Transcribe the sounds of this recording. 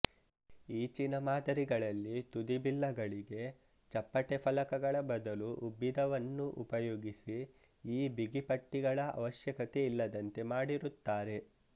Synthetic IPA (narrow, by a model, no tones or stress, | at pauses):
iːt͡ʃinɐmaːd̪ɐɾiɡɐɭɐlːit̪ud̪ibilːɐɡɐɭiɡe̞ | t͡ʃɐpːɐʈepʰɐlɐkɐɡɐɭɐbɐd̪ɐluʔubːid̪ɐʋɐnːuʔṵpɐjoːɡisi | iːbiɡipɐʈːiɡɐɭɐʔɐ̰ʋɐʃjɐkɐt̪e̞ilːɐd̪ɐnt̪e̞maːɽiɾut̪ːaːɾe̞